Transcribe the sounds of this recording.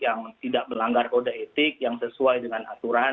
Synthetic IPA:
jaŋt̪idaʔ̚məlaŋɡarkodaet̪ɪk̚jaŋsəsuajdəŋanat̪uɾa

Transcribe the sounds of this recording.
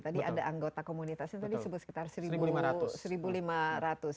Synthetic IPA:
t̪adiadaʔaŋɡot̪akomunit̪asɲat̪adisəbʊt̪sə̥kit̪arsəɾimat̪səɾibulimaɾat̪ʊs

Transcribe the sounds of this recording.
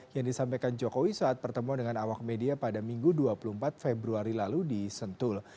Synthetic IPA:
jaŋdisampaejkand͡ʒokowisaat̪̚pərt̪əmuandəŋanawak̚mediapadamiŋɡuduapulumpat̪̚febɾuaɾilaludisənt̪ʊl

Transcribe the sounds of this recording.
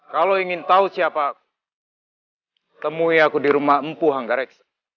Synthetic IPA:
kaloiŋɪnt̪ausiapaːk̚u̥ | t̪əmuiakudiɾumaɦəmpuɦaŋɡaɾɛks

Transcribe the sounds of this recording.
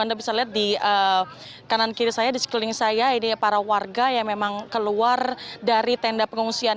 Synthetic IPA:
andabisaliɦat̪̚diə | kanankiɾisajadisə̥kilɪŋsajainipaɾawarɡajaŋmemaŋkəluardaɾit̪ɛndapəŋuŋsia

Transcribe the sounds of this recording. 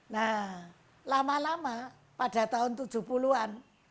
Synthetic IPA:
na | lamalama | pad̥a̤t̪aʊnt̪ud̥ʒ̥ṳpuluan

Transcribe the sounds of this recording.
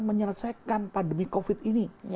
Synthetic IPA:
məɲərsajkanpandəmikofit̪̚ini

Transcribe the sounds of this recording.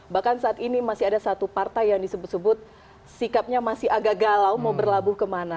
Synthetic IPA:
bahkansaːt̪inimasɪadasat̪upart̪ajjaŋdisəbʊt̪səbʊt̪̚ | sikap̚ɲamasɪhaɡaʔɡalawmaubərlabʊhkəmana

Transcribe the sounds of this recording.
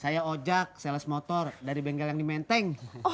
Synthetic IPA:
sajaod͡ʒak̚sɛlɛsmɔt̪ɔrdaɾibɛŋɡɛljaŋdimɛnt̪ɛŋ

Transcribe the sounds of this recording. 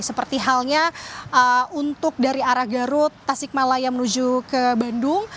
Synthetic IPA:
səpərt̪iɦalɲaʔəunt̪ʊk̚daɾiaɾahɡaɾʊt̪ːasɪk̚malajaŋmənud͡ʒukəbandʊŋ

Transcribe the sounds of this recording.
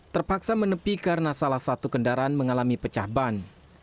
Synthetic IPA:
t̪ərpaksamənəpikaɾənasalahsat̪ukəndaɾaanməŋalamipət͡ʃahban

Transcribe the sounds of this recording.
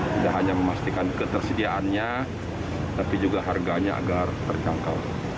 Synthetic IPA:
t̪idaʔɦaɲaməmast̪ikankət̪ərsədiaʔanɲa | t̪apid͡ʒuɡaɦarɡaɲaa̰ɡart̪ərt͡ʃaŋka̰l

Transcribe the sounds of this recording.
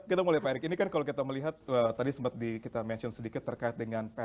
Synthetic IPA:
kit̪amulɛhpaɾɪkinikankalokit̪aməliɦat̪̚ət̪adisəmpat̪̚dikit̪amɛnt͡ʃənsədikɪt̪ːərkaɪt̪̚dəŋanpa

